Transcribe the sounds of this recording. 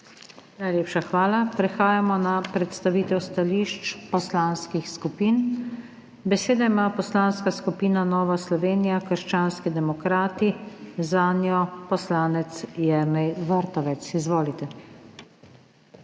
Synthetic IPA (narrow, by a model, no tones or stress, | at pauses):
najleːpʃaxʋaːlapɾɛxaːjamɔnapɾɛt̪st̪aʋiːt̪ɛwst̪aliʃt͡ʃpɔslaːnskixskupiːn | bɛseːd̪aimaːpɔslaːnskaskupiːnanɔːʋaslɔʋeːnijakəɾʃt͡ʃaːnskid̪ɛmɔkɾaːt̪izaːnjɔpɔslaːnɛt̪sjɛmɛjʋəɾt̪ɔʋɛt̪sizʋoːlit̪ɛ